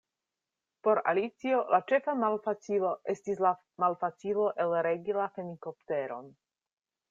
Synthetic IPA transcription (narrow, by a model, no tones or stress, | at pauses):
po̞ɾa̰lit͡sio̞lʔat͡ʃe̞famalfat͡silo̞ʔe̞stisla | malfat͡silo̞ʔe̞lɾeɡilaheniko̞pte̞ɾo̞̰n